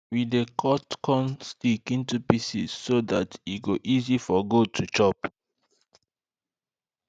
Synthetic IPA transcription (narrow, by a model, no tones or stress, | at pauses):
widekʰɔtkʰɔ̃mstikĩntupisizːodatiɡoʔizifɔɡotʰut͡ʃɔp